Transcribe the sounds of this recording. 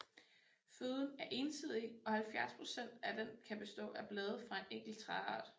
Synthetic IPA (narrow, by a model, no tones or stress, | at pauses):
føːðˠn̩æɐʔe̝nsið̞̰ˠiɒ̽hælfjæɐspʰʁo̝sen̰d̥æd̥enkʰæb̥e̝sd̥ɔ̰̽ːæɐb̥lɛːð̩ˠfʁɑ̈e̝neŋ̰ɡ̥l̩t͡sʰʁɑɑ̰̈d̥